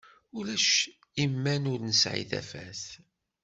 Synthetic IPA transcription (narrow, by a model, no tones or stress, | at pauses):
ulæʃ | imːænʊɾnəsʕḭðæ̰fæ̰θ